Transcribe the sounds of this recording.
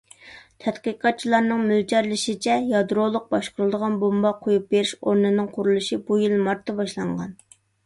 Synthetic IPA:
t̪ʰɛt̪qɨqʰɑt̪̚t͡ʃʰilˠɑɾnɨŋmyld͡ʒɑɾlɪʃit͡ʃʰɛjɑd̪ɾolˠʊq̚bɑʃqəɾɨlˠd̪əʁɑnbombɑqʰojup̚beɾɪʃoɾnɨnɨŋqʰʊɾulˠuʃibujilmɑɾt̪ʰːɑbɑʃlˠɑɴʁɑ̰n

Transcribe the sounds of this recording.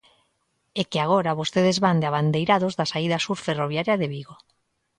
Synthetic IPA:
ekeaɣ̞oɾaβ̞ost̪eð̞ezβand̪eɪaβand̪ejɾaðozðasaiðasuɾferoβjaɾjaðeβiɣo

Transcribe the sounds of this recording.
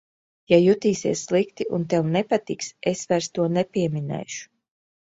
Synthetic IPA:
jajut̪iːsḭɛsːlˠikt̪iʔunt̪ɛwnɛpat̪iksesvæjɾst̪uɔnɛpiɛminɛ̰jʃu̥

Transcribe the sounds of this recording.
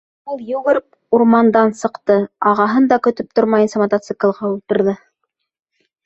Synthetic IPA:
ulˠjʉɣɘɾp | uɾmɑnd̪ɑnsɤ̆qt̪ɤɑʁɑɦɤnd̪ɑkɵ̆t̪ɵp̚t̪oɾmɑjɤnsɑmɐt̪ot̪sɨklˠʁɑulˠt̪ɤ̆ɾðɤ

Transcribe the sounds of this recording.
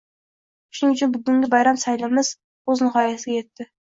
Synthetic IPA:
ʃʊnɪʊt͡ʃʰʊnbɪɡʲɪŋɡʲɪbɑjɾɑmsajlɪmɪz̥ | oznɨχɑːjasɪɡʲajet̪ʰːɪ

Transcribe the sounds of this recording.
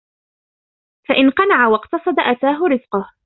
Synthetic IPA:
faʔɪnqɑnaʕawɑqt̪ɑsˤɑd̪aʔat̪aːɦʊɾɪzqʊh

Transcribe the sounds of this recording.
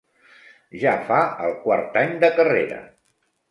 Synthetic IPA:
ʒafaəlˠkwaɾt̪aɲd̪əkəreɾə̰

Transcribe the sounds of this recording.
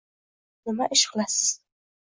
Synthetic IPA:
nɨmaʔɪʃχlas

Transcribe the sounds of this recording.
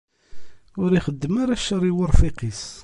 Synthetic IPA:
ʊɾiχəd̪ːəmaɾaʃəɾˤiwəɾˤfiqis

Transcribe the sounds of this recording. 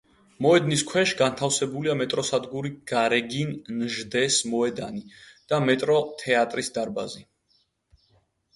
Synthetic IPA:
mɔɛd̪niskʰwɛʃɡant̪ʰafsɛbuliamɛt̪ʼɾɔsad̪ɡuɾiɡ̥aɾɛɡinnʒd̪ɛsmɔɛd̪anid̪̥amɛt̪ʼɾɔt̪ʰɛat̪ʼɾisd̪aɾba̰zi

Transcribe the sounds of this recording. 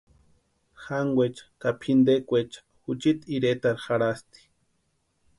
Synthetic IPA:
xaŋɡwet͡ʃḁkapʰind̪ekʷet͡ʃḁxut͡ʃit̪iɾet̪aɾxaɾast̪i̥

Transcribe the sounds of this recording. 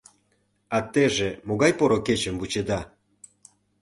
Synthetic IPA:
ɑt̪ːeʒemoɣɑjpoɾoket͡ɕəmvut͡ɕed̪ɑ

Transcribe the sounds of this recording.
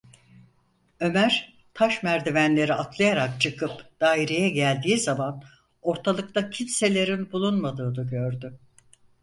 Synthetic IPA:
ø̞mæɾ̥ | t̪ʰaʃmæɾd̪ivænlʲe̞ɾiat̪ʰlˠajaɾak̚t͡ʃʰɯkʰɯpd̪̥aːiɾejɛɟælʲd̪iːzaman | o̞ɾt̪ʰalˠɯk̚t̪ˠacʰinse̞lʲe̞ɾinbulˠunmad̪ɯːnɯɟø̞ɾd̪ʏ

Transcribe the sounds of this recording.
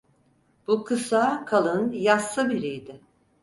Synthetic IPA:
b̥ukʰɯsaːkʰalˠɯnjasːɯbiɾijd̪ɪ

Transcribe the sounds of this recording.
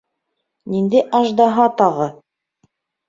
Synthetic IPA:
nind̪ɘjʔɑʒd̪ɑɦɑt̪ɑʁɤ

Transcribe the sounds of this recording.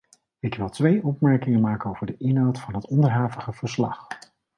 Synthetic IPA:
ɪkʋɪlˠtʋejʔɔpmɛɹkɪŋəmaːkənowvəɹdəʔɪnɦawtfɑnɦətɔndəɹɦaːvəχəv̥əɹslɑ̰χ

